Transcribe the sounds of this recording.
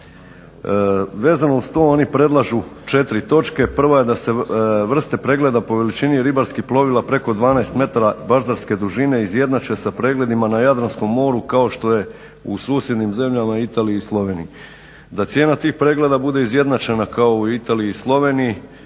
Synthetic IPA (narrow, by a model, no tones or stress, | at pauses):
ʋe̞ːzanost̪o̞ːonipɾe̞d̪lˠaʒut͡ʃe̞t̪ɾit̪o̞t͡ʃke̞pr̩ʋaje̞d̪ase̞ʋr̩st̪e̞pɾe̞ɡle̞d̪apo̞ʋe̞lit͡ʃiniɾibaɾskixplˠo̞ʋilˠapɾe̞ko̞d̪ʋaːnaest̪me̞t̪aɾabaɾzaɾske̞d̪uʒine̞izje̞d̪nat͡ʃe̞sapɾe̞ːɡle̞d̪imanajad̪ɾansko̞mːo̞ːɾukao̞ʃt̪o̞je̞ | usuːsje̞d̪nimze̞mʎamait̪aːliːslˠo̞ʋe̞ːnḭji | d̪at̪sje̞ːnat̪iːxpɾe̞ːɡle̞d̪abud̪e̞izje̞d̪nat͡ʃenakaouit̪aːliiislˠo̞ʋe̞ːniji